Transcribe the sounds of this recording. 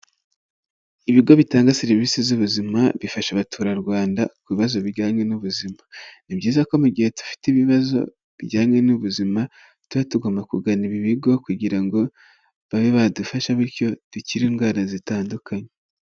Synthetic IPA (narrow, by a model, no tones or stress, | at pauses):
iβiɡo̞βitaːŋɡaseɾiviːsizuβuzimaβifaʃaβatʰuːɾaɾɡwaːnda̰kuβiβazo̞βiɟaːɲwe̞nuβuzimanibɟiːzako̞muɡihe̞tu̥fi̥tiβiβazo̞̰ | βiɟaːɲwe̞nuβuzima | tuβatuɡomakuɡaniβiβiɡo̞kuɟiɾaŋɡo̞ | βaβeβadufaʃaβiɾco̞d̥uciɾiːŋɡwaːnazitaːndukaɲe